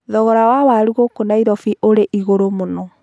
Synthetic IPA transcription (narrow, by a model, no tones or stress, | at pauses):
ðɔɣɔɾawawaɾuɣokonaiɾɔfiʔoɾeʔiɣoɾomonɔ